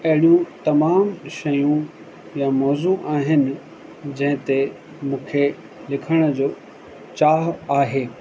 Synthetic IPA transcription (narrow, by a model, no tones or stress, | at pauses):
ɐɦɪɽijũt̪ɐmaːmʃɐjũ | jamɔːzuʔaːɦɪnɪ̆ | d͡ʑɐ̃ɦɪ̃t̪e | mũːkʰe | lɪkʰəɽ̃əd͡ʑoː | t͡ɕaːɦaːɦeː